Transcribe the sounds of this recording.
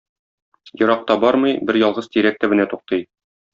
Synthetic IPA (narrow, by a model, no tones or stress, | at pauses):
jŏɾɑq̚t̪ɑbɒɾmɤjbɘɾjɒlˠʁɤzt̪iɾæk̚t̪ɘ̆bɘ̆næt̪uq̚t̪ɤj